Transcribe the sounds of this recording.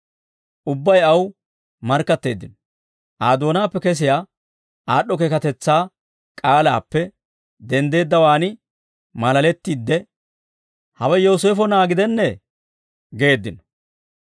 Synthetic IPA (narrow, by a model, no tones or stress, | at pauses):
ʔʊbːɐjɐw | mɐɾkːɐt̪ːe̞ːd̪ːɪnɔ | ʔaːd̪o̞ːnaːpːɛkɛs̬ɪjaː | aːɗːɔkekɐt̪ɛt͡sːaː | kʼaːla̰ːpːɛ | d̪ɛnd̪e̞ːd̪ːɐwaːnɪ | mɐlɐlɛt̪ːiːd̪ːɛ | hɐwɛjoːseːfɔnaːɡɪd̪ɛnːɛ | ɡe̞ːd̪ːɪnɔ̥